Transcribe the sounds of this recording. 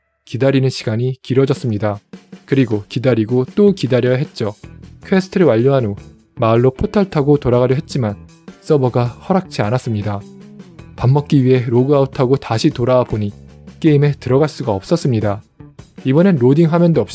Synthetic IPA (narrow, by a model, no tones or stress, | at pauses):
kidaɾinɯnɕʰi̥ɡaɲikiɾʌd͡ʑʌs͈ɯmɲidakɯɾiɡokidaɾiɡot͈okidaɾjʌjaɦe̞t̚t͡ɕ͈okʰwesʰɯ̥tʰɯɾɯwaʎːoɦano | maɯɭːopʰotʰaɭtʰaɡotoɾaɣaɾjʌɦe̞t̚t͡ɕ͈iman | s͈ʌbʌɡahʌɾak̚t͡ɕ͈ianas͈ɯmɲida | pamːʌk̚k͈iɥiɦe̞ɾoɡɯautʰaɡotaɕʰitoɾawaboɲik͈eime̞tɯɾʌɡaɭs͈uɡaʌp̚s͈ʌs͈ɯmɲida | ibʌnenɾodiŋɦamjʌndoʌp̚